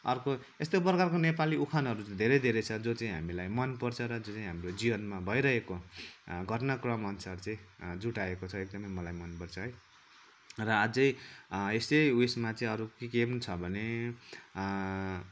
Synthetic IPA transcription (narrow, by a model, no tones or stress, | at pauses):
ʌrko | est̪op̬rʌkarkonepaliukʰanɦʌɾut͡sd̪ʱeɾʌjd̪ʱeɾet͡sʰʌd͡zot͡saĩɦamilajmʌnpʌrt͡sʰʌɾʌd͡zot͡sãĩɦamrod͡zibʌnmabʱʌjɾʌɦekoɡʱʌrnakrʌmʌnsart͡sʌĩd͡zuʈaekot͡sʰʌek̚d̪ʌmʌjmʌlajmʌnpʌrt͡sʰʌɦʌj | rʌad͡zʌjesejwesmat͡sʌĩʌɾukikepunt͡sʰʌbʱʌne